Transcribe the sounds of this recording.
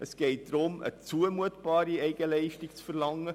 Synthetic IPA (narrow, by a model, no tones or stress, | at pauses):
ʔəsɡ̥ɛɪt̚d̥̪ɾʊmə̰t͡suəmuətb̥ɑːɾiɛɪɡəlɛɪʃtikt͡sfəɾlɑŋːə